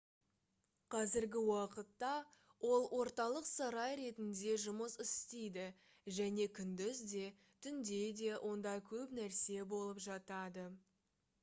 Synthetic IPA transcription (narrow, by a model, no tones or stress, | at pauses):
qʰɑzɪɾɡʲɪwɑqət̪ːɑ | wʔo̞lˠwʔo̞ɾt̪ɑlˠəqsɑɾɑjɾe̞t̪ɪnd̪e̞ʒʊməsɪsst̪ejd̪ɪ | ʒæne̞kʲʰʏnd̪ɪzd̪e̞ | t̪ʰʏnd̪e̞d̪e̞wʔo̞nd̪ɑkʲʰɵpnæɾse̞bo̞lˠəpʒɑt̪ɑd̪ə